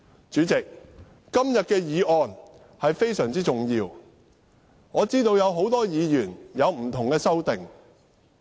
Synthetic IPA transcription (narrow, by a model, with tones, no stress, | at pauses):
t͡ʃyː˨˥t͡sɪ˨k̚ː | ɐ˥mjɐ˨t̚kɛː˧jiː˨ɔː˨˧n | hɐ˨jfe˥jsœː˨˩ŋt͡siː˥t͡sʊ˨˩ŋjiː˧w | ŋɔː˨˧t͡siː˥t̪o˧wjɐ˨˧wɦo˨˥wt̪ɔː˥jiː˨˧jyː˨˩njɐ˨˧wm̩˨˩t̪ʰʊ˨˩ŋkɛː˧sɐ˥wt̪ɪ˨ŋ